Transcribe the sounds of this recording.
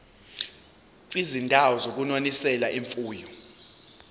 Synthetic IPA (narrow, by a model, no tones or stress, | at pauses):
k̬ʼwizindʱawɔzok̬unonisɛlaʔiɱfuːjɔ